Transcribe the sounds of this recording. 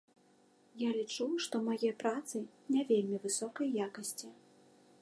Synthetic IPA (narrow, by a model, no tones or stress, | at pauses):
jalʲit͡ʂuʂt̪ɔmajɛpɾat̪sɨnʲavʲelʲmʲivɨsɔkɐjjakɐsʲt͡sʲi